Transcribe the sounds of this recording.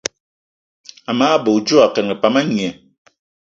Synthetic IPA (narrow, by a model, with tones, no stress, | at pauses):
a˨maː˦bo˨d͡ʒo˦a˨kɛ˨nŋə˨pa˨ma˦ɲi˨ɛ˨